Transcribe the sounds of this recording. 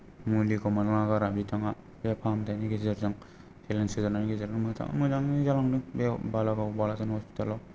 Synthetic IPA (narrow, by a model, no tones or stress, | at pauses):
mulikɔmanaŋaɡaɾabitʰaŋa | bepʰamdajniɡezaɾzaŋ | selensizaɾnaniɡezaɾɯŋmɯtʰa̰ŋa̰mɯzaŋizalaŋnɯbebalaɡawbalazanhɔspi̥talaw